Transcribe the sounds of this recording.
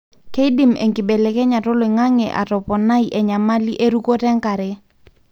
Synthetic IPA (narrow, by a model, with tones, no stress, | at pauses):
ke˦i˦di˦˨mḛ˨ŋkɪ˨be˨le˨kɛ˦ɲa˨to˦lo˨i˨ŋa˦ŋɛ̰˨ʔa̰˨tɔ˨pɔ˨na˦i˨ʔɛ˨ɲa˨ma˦li˦ʔe˦ɾu˦ko˦tɛ˦ŋka˨ɾɛ˨